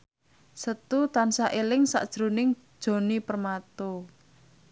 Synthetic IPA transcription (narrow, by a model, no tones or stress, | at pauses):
sət̪ut̪ansaʔelɪŋsa̰ʔd̥ʒ̥ɾo̤nɪŋ̥ʒ̥o̤nipərmat̪o